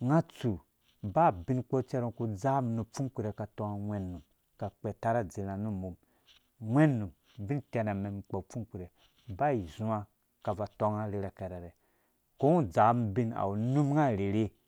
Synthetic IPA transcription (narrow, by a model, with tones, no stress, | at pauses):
ŋa˦t͡su˨ | ba˦˨bi˦nk͡po˦t͡ʃɛ˦ɾo˦˨ku˦d͡za˦mnu˨p͡fu˦kʷi˦ɾe˨ka˨to˧ŋa˦˨wʷɛ˦nːu˨m | ka˨k͡pɛ˨ta˦ɾa˦d͡zi˨la˨nu˦˨mu˨m | wʷɛ˦nːu˨m | bi˦ntɛ˧na˨mɛ˨m˨k͡po˨p͡fu˦ki˨ɾe˨ | ba˦i˨zũ˦a˦ | ka˨va˨to˦ŋa˦ɾi˨ɾɛ˨kɛ˨ɾɛ˨ɾɛ˨ | ko˦u˦d͡za˨˦mbi˦na̰˨wu˨nu˦m˦ŋa˦˨ɾe˨ɾe˦